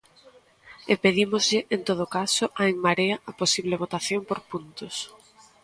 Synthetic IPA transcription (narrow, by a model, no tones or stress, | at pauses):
epeðimozʎɪʔent̪oð̞okasʊʔaeŋmaɾeaaposiβleβ̞ot̪aθjompoɾpunt̪ʊs